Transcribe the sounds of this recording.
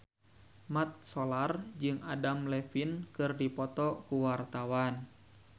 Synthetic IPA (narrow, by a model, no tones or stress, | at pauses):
mat̪̚sɔlard͡ʒɨŋadamlɛfinkɨrdipɔt̪ɔkuwart̪awan